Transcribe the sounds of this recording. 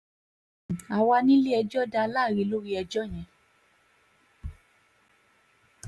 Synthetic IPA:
a˧˨wa˧nĩ˦li˦ɛ˧d͡ʒɔ˦da˧la˦˨ɾi˧˦lo˦ɾi˦ɛ˧d͡ʒɔ˦˨j̃ɛ̃˨˧

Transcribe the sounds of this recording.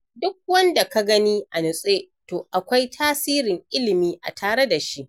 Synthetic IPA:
dʊ˦k̚wɐ˦nda˨ka˦ɡɐ˦niː˦ʔa˨nʊ˨sʼeː˦ | toː˨ʔa˨kʷa˦jtʰaː˦siː˦ɾɪ˨ŋʔɪ˦lɪ˨miː˦ʔa̰˨tʰaː˨ɾe˦da˨ʃi˦ʔ

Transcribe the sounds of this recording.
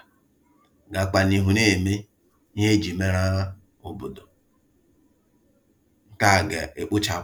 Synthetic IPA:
ɡa˨k͡pa˨ni˨ɦu˨ne˦˨me˦ | ɲe˦d͡ʒi˨me˦ɾa˦a˦ | ʊ˨bʊ˨dʊ˨ | ŋ̩˦ka˦˨ɡe˨e˨k͡pʊ˦t͡ʃa˨

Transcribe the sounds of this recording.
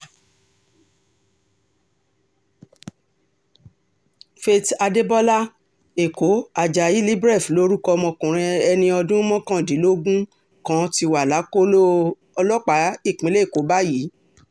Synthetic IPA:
fe˧ta˧de˦bɔ˦la˦ | e˨ko˨˦a˨d͡ʒa˨ji˨˦li˦bɾɛ˦˨flo˦ɾu˦kɔ˧mɔ̃˧kũ˨ɾ̃ĩ˧ɛ˧nĩ˧ɔ˧dũ˦mɔ̃˦kã˦˨di˨˦lo˦ɡũ˦ | kã˨˦ti˧wa˨la˨˦ko˦lo˦ | ɔ˧lɔ˦k͡pa˨˦i˦˨k͡pĩ˨˦le˦˨ko˨˦ba˦ji˨˦

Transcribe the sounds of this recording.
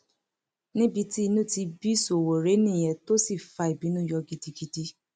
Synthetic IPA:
nĩ˦bi˧ti˦i˧nũ˦˨ti˧bi˦so˨wo˨ɾe˨˦nĩ˦˨j̃ɛ̃˨to˦si˦˨fa˧i˨bi˨˦nũ˦jɔ˧ɡi˧di˧ɡi˧di˧

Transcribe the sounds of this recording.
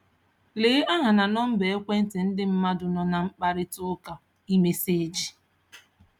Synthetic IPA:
leː˦ʔa˦ɦa˨na˨nɔ˦m̩˦be˨e˦kʷe˦n̩˦tɪ˨n̩˦dɪ˦m̩˦ma˦dʊ˨nɔ˨na˨ŋ͡m̩˦k͡pa˦ɾɪ˦tʊ˦ʊ˦ka˨ | i˦me˦se˦d͡ʒi˨

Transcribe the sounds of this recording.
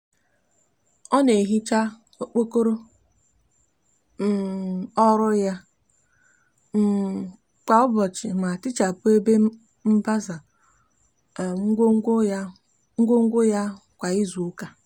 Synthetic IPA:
ɔ˦ne˨ɦi˦t͡ʃa˦ | o˦k͡po˦ko˦ɾo˦ | m̩˨ɔ˦ɾʊ˦ja˦ | m̩˦ | ka˨ʊ˦bɔ˨t͡ʃɪ˨ma˨tɪ˦t͡ʃa˨pʊ˦e˦be˦ | m̩˦ba˦za˨˦ | ŋ̩˦ɡo˦ŋ̩˦ɡʷʊ˦ja˦ | kʷa˨i˦zu˨u˦ka˦

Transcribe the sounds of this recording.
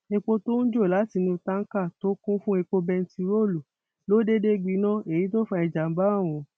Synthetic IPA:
e˧k͡po˧to˦n̩˦d͡ʒo˦˨la˨˦ti˧nĩ˧ta˦ŋ̩˦ka˦˨to˦kũ˦fũ˦e˧k͡po˧bɛ˧n̩˦ti˧ɾo˦˨lu˨ | lo˨˦de˦de˦ɡ͡bi˨˧˦nã˦e˨ji˨˦to˦fa˧i˧d͡ʒa˨m̩˦ba˦a˦˨w̃ũ˨˧

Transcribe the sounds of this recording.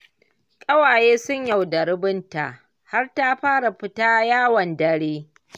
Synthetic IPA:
kʼɐ˦waː˨jeː˦sʊ˦ɲja˨wda˨ɾɪ˦bɪ˦nta̰˨ʔ | ha˦rta˦ɸaː˦ɽa˨ɸɪ˦taː˦jaː˦wɐ˨ndɐ˦ɽeː˦

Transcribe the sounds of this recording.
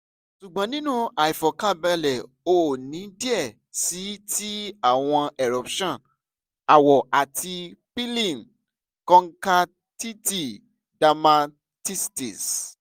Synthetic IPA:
ʃu˨ɡ͡bã˨˦nĩ˦nũ˦a˨i˨fɔ˨ka˦˨bɛ˧lɛ˨ | o˦˨nĩ˨˦di˦ɛ˦˨ | si˨˦tʰi˦a˦˨w̃ɔ̃˧ɛ˨ɾɔ˨˦pʃɔ̃˦˨ | a˨wɔ˨ʔa˨ti˧pi˦lĩ˦˨n | kɔ̃˦ŋ̩˦ka˦ | ti˦ti˦˨ | da˧mã˧ | ti˦sti˨s

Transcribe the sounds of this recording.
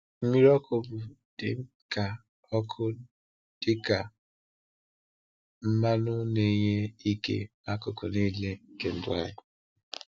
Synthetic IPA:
m̩˦mi˦ɾɔ˦kʊ˨bʊ˨ | d̥ɪ˨ŋ̩˦ | ka˨ | ɔ˦kʰʊ˦ | d̥ɪ˦ka˨ | m̩˦ma˦nʊ˦ne˦ɲe˦i˦kḛ˦ma˦kʊ˨kʊ˨ni˦le˦ŋ̩˦ke˨n̩˦dʊ˦a̰˨jɪ˨

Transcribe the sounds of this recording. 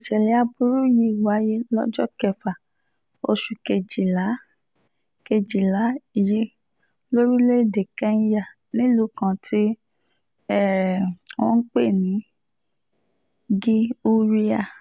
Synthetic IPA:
i˨ʃɛ˨lɛ˨˦a˧bu˦ɾu˦ji˧˦˨wa˨˦je˦lɔ˦d͡ʒɔ˦kɛ˧˨fa˨ | o˧ʃu˨ke˧˨d͡ʒi˨la˨˦ | ke˧d͡ʒi˨la˨˦i˨ji˨˦ | lo˦ɾi˦le˦˨de˨kɛ̃˧˦n̩˦ja˦˨ | nĩ˦lu˨˦kã˨˧tʰi˦ | ɛ˦˨w̃ɔ̃˧˦k͡pe˦˨nĩ˨˦ | ɡi˦u˦ɾi˦a˦˨

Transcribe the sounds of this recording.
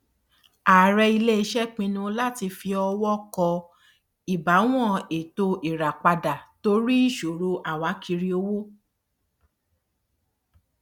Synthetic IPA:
aː˨ɾɛ˧i˧le˦i˧ʃɛ˦k͡pĩ˧nũ˧la˦˨ti˧fi˧ɔ˧wɔ˦kɔ˧ | i˨ba˨˦w̃ɔ̃˦˨e˨to˧i˨ɾa˨k͡pa˧da˨to˨˦ɾi˦i˦˨ʃo˨ɾo˧ʔa˨wa˨˦kʰi˧ɾi˧o˧wo˦

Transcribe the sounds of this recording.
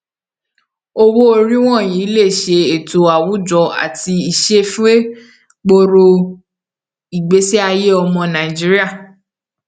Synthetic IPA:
o˧wo˦o˧ɾi˦w̃ɔ̃˦˨jĩ˨˦le˦˨ʃe˧e˨to˨a˨wu˨˦d͡ʒɔ˧a̰˨ti˧i˨ʃe˦fũ˦e˦ | ɡ͡bo˧ɾo˧ | i˨ɡ͡be˨˦se˦a˧je˦ɔ˧mɔ̃˧nã˨i˨d͡ʒi˦ɾi˦a˦˨

